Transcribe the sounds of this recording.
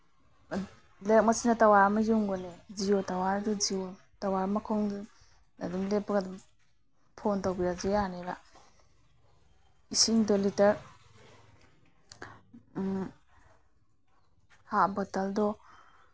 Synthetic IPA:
lek̚masinatawaɾamajuŋɡɔned͡ʒiotawaɾdɔd͡ʒiw | tawaɾmakʰɔŋd | adumlepːaɡad | pʰɔntawbijazijaneɾa | isiŋdɔlitaɾ | habataldɔ

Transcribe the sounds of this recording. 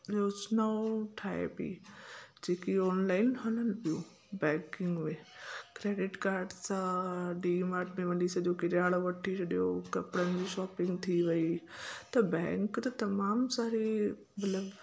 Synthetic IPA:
ɾoːd͡ʑnaoʈʰaːḛpḭd͡ʑeːkiɔːnlaːɪnɦɐnənpijũ | bɛ̃ːŋkɪ̃ŋɡmẽkɾeːɖɪʈkaːɾɖsãɖimaːɾɖmẽʋɐdisɐ̃ɗjokɪɾjaːɭoʋɐʈʰit͡ɕɐɗjokɐpɽənɪd͡ʑiːʃɔːpɪ̃ŋɡt̪ʰiʋɐit̪ɐbɛ̃ːŋkt̪ɐt̪ɐmaːmsaːɾi | mɐt̪ləb

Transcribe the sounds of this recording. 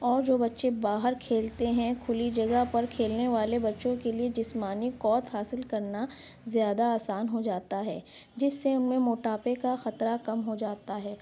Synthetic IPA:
ɔːɾd͡ʒoːbɐtːʃebaːɦəɾkʰeːlt̪eɦɛ̃kʰʊlid͡ʒɐɡəɦpɐɾkʰeːlneʋaːlebɐtːʃõkelied͡ʒɪsmaːnikɔːt̪ɦaːsɪlkɐɾna | zjaːd̪aaːsaːnɦod͡ʒaːt̪aɦɛ̰ː | d͡ʒɪsːeʊnmẽmoːʈaːpekaxɐt̪ɾakɐmɦod͡ʒaːt̪aɦɛː

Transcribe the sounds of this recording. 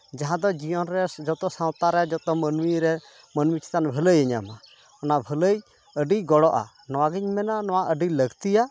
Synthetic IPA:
d͡ʒaɦãd̪ɔd͡ʒijɔnɾɛd͡ʒɔt̪ɔsaw̃t̪aɾɛd͡ʒɔt̪ɔmənwiɾɛ | mənwit͡ʃʰi̥t̪anbʱələjəɲama | ɔnabʱələj | əɖijɡɔɽɔʔa̰ | nɔwaɡiɲmɛnanɔwaʔəɖiləɡt̪ija

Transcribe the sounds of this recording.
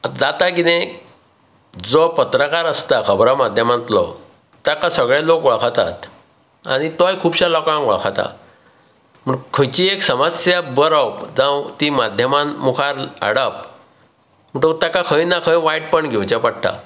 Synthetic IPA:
ad͡zat̪akinẽ | d͡zɔpət̪ɾəkaɾəst̪akʰəbɾamad̪ʱjəmãnt̪lɔ̰ | t̪jakasəɡɭelokʋəɭkʰat̪a̰t̪ | a̰ɽ̃it̪ɔjkʰuːbɕalɔkãŋkʋə̰ɭkʰat̪a̰ | m̤əɳkʰə̃t͡ɕieksəməsjabəɾawpd͡zãwt̪imad̪ʱjəmãmukʰaɾə̰ɽəp̚ | m̤əʈət̪akakʰəjnakʰəjʋajʈ̚pəɳɡʱewt͡ɕapaɽ̚ʈ̪a̰

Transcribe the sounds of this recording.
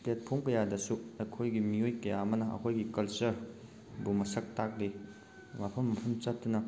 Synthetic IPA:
plet̚pʰoŋkɐjadɐsuɐjkʰojɡimijojkɐjaɐmɐnɐɐ̰kʰojɡikɐlsɐɾ | bumɐsʰɐk̚tak̚le | wapʰɐmːɐpʰɐmt͡ʃɐt̚tːunɐ

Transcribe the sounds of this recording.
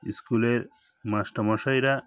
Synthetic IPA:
iskuleɾ | masʈɔmɔʃajɾa

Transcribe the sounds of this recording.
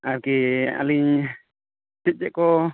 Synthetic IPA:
aɾkia̰liɲ | tit̪̚d͡ʒɛʔkɔ

